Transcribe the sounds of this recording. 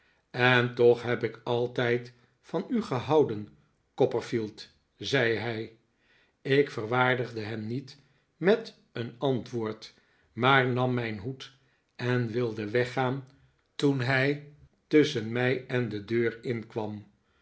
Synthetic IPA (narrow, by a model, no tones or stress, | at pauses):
ɛntɔχɦɛpɪkɑlˠtɛjt | fɑnyχəɦɑwdən | kɔpəɹfilˠt | zɛjɦɛj | ɪkfərʋaːɹdəχdəɦɛmnit | mɛt | ənɑntʋoːɹt | maːɹnɑmːɛjnɦut | ɛnʋɪlˠdəʋɛχaːn | tunɦɛj | tɵsənmɛjɛndədøːɹɪnkʋɑm